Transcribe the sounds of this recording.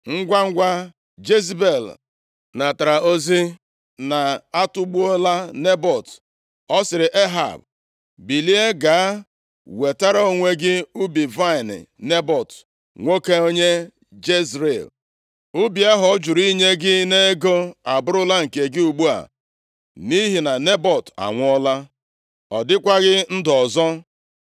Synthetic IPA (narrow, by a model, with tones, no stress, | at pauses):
ŋ̩˦ɡʷa˦ŋ̩˦ɡʷa˦ | d͡ʒe˦zbe˨l | na˨ta˨ɾa˨o˦zi˦ | na˨a˦tʊ˦ɡ͡bu˦o˦la˦ne˦bɔ˨t | ɔ˦sɪ˨ɾɪ˨ʔe˦ɦa̰˨b | bi˨li˦e˦ɡa˨a˦ | we˨ta˦ɾa˦o˦˨ŋʷe˦ɡɪ˦u˦bi˨va˦ɪ˨n̰˨ne˦bɔ˨t | ŋʷo˦ke˦o˦ɲe˦ | d͡ʒe˦zɾḛ˨l | ʊ˦bi˨a˦ɦɔ˨˦d͡ʒu˨ɾi˦ɲe˦ɡɪ˦ne˦e˦ɡo˦a˨bʊ˦ɾʊ˦la˦ŋ̩˨ke˨ɡɪ˦u˨ɡ͡bu˦a̰˨ | ni˦ɦi˨na˨ne˦bɔ˨ta̰˨ŋʷ˦ɔ˦la˦ | ɔ˨dɪ˦kʷa˦ɣɪ˦n̩˦dɔ˨zɔ˦